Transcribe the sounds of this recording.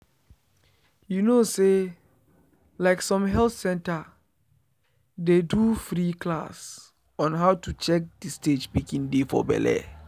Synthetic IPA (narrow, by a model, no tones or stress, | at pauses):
junose | laɪksɔ̃mɦɛlθsɛ̃nta | dedufɾiklas | ɔ̃nɦaʊtut͡ʃɛk̚disted͡ʒpikĩŋdefɔ̰bɛ̰lɛ̰